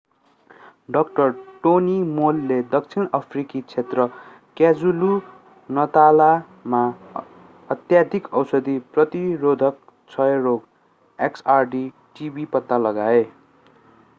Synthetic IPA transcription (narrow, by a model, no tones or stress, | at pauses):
ɖʌk̚ʈʌrʈonimolːed̪ʌk̚t͡sʰinʌpʰrikit͡sʰet̪rʌ | kjad͡zulu | nʌt̪ala | ma | ʌt̪jad̪ʱikʌwsʌd̪iprʌt̪iɾod̪ʱʌk̚ | t͡sʰʌeɾoɡ | eksarɖi | ʈibipʌt̪ːalʌɡae